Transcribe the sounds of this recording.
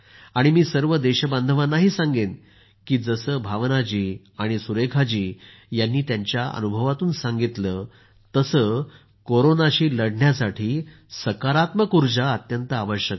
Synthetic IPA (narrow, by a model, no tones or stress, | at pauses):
aɽ̃imiːsəɾʋəd̪eɕəband̪ʱəʋanaɦiːsãŋɡen | kiːd͡zəsəːbʱaʋnat͡ɕiː | aɽ̃isuɾekʰat͡ɕiː | janːiːt̪jaɲt͡ɕjaə̰nubʱəʋat̪uːnsãŋɡit̪ləː | t̪əsəː | koɾonaɕiːləɽɳjasaʈʰiː | səkaɾat̪məkuɾd͡ʑaət̪jənt̪əaʋəɕjək